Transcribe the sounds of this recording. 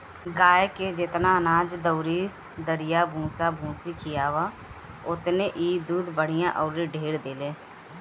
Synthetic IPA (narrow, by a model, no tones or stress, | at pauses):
ɡaːeked͡ʒɪt̪naənaːd͡ʒd̪əʊɾi | d̪əɾɪjabʱũːsabʱũːsikijaːʋa | ʊt̪neʔiːd̪uːd̪bəɽ̤ɪjãʔɔːɾiɖʱeːɽd̪eːleː